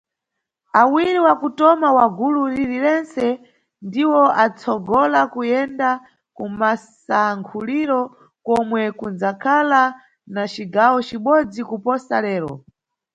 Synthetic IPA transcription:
awiɾiwakutɔmawaɡuluɾiɾiɾɛnt͡sɛ | ndiwɔʔat͡sʰɔɡɔlakujɛnda | kumas | aŋkʰuliɾɔ | kɔmwɛkund͡zakʰala | nat͡ʃiɡawɔt͡ʃiɓɔd͡zikupɔsalɛːɾɔ̰

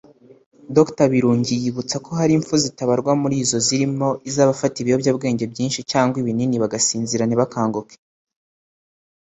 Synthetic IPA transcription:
doktaβiɾuːɲɟijiβut͡sakʰo̞ɦaɾiɱfuzitaβaɾɡwamuɾiːzo̞ziɾimo̞ʔizaːβafatiβiho̞bjaːb̚ɡe̞ːɲɟe̞bɟiːnʃicaːŋɡwiβininiβaɡasiːnziɾaniβakaːŋɡoke̥

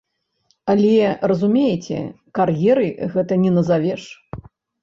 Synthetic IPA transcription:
alʲɛrɐzumʲejet͡sʲɛ̰ | karjɛɾɨɣɛt̪ɐnʲɛnɐzavʲɛʂ

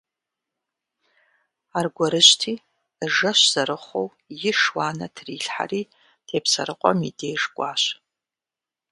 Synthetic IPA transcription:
arɡʷɔɾɨɕtʰiː | ʐɐʃz̥ɐɾɨχʷow | jɪʂwaːnɐtʰriːɬħa̰riː | d̥ʰeːpʰsɐ̰ɾɨqʷʼɔmidejʐɡʷʼaːʃ

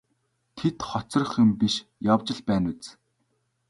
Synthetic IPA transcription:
t̪ʰet̪χɔt͡sɞ̆r̆χɘ̆mpiʃjawt͡ɕɪ̆ɮpæːnwut͡s

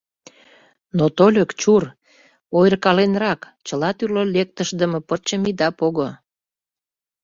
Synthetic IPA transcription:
not̪olʲəkt͡ɕur | ojrkɑlenrɑk | t͡ɕəlɑt̪yrlolʲek̚t̪əʃd̪əmə̆pət͡ɕəmid̪ɑpoɣo

